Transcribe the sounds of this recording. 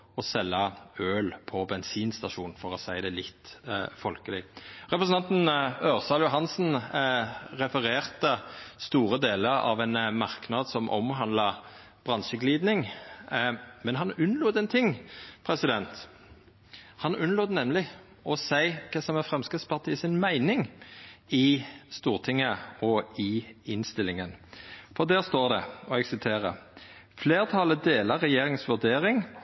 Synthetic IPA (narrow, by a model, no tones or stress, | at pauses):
ɔsɛlːəøːlpʰɔbɛnsiːnst̪ɑʂuːn̩fɔʁɔsæɪd̪ɛlɪt̪ːfɔlkəlɪʁɛpɾəsn̩ɑnt̪n̩øːʁsɑːljʊɦɑnsn̩ | ʁɛfəʁeːʁt̪əst̪uːɾəd̪eːləɾɑ̰ʋænmɑʁknɑd̪sɔmʔɔ̰mɦɑnlɑ | b̥ʁɑnʃəɡliːd̪nɪŋ | mɛnɦɑnʉnːloːt̪ɛnt̪ʰɪŋpʰʁɛsɪd̪ɛnt̪ | hɑnʉnloːt̪nɛmlɪ | ɔsæɪkʰɛsɔmɛfʁɛmskɪt̪spɑʁt̪ʰiːsɪnmæɪnɪŋ | ɪst̪uːʁt̪ʰɪŋːəɔɪɪnst̪ɪlɪŋənfɔʁd̪æːʁst̪oːʁd̪ɛ̰ɔɛɡsɪt̪ʰeːʁə̰ | fleːʁt̪ʰɑləd̪eːləʁɛjeːʁɪŋsʋʉʁd̪eːʁɪŋ